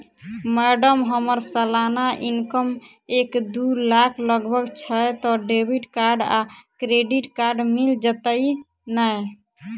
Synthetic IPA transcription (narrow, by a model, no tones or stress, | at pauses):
mɛɖəmɦəməɾsəlanaʔinkəm | ekd̪ulakʰləɡbʱəɡt͡ʃʰət̪ɔɖebʱiʈkaɾɖa̰kɾeɖiʈkaɾɖmild͡ʒət̪əj | naj